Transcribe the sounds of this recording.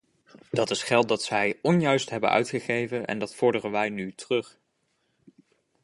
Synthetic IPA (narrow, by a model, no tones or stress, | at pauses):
d̥ɑtɪsχɛlˠt̚dɑtsɛjɔnjœɥstɦɛbə̰nʔœ̰ɥtχəχejvənɛ̰ndɑtfɔɹdərənʋɛjnytərɵχ